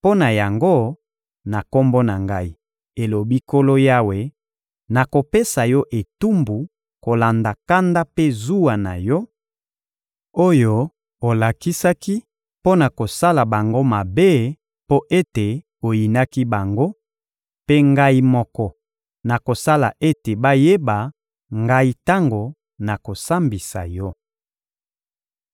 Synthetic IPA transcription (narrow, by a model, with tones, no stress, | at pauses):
po˦na˨ja˨ŋɡo˦ | na˨ko˦mbo˦na˨ŋɡa˦i˦ | e˨lo˨bi˦ko˦lo˦ja˦we˨ | na˨ko˨pe˦sa˨jɔ˦ʔe˨tu˦mbu˨ | ko˨la˨nda˨ka˦nda˦pe˦zu˦wa˨na̰˨jɔ˦ | o˦jo˦ | o˨la˨ki˦sa˦ki˦ | po˦na˨ko˨sa˦la˨ba˨ŋɡo˦ma˨be˦ | po˦ʔe˦te˨ | o˨ji˨na˦ki˦ba˨ŋɡo˦ | pe˦ŋɡa˦i˦mɔ˨kɔ˨ | na˨ko˨sa˦la̰˨ʔe˦te˨ba˦je˦ba˨ | ŋɡa˦i˦ta˦ŋɡo˨ | na˨ko˨sa˦mbi˨sa̰˨jɔ˦